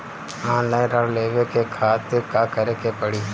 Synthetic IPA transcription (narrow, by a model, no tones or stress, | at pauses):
ãːlaːĩɾɐɽleːʋekekʰaːt̪ɪɾkaːkɐɾekepəɽiː